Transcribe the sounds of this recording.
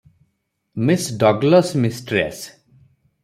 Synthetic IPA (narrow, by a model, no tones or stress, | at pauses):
misɖɔɡləsmisʈɾḛs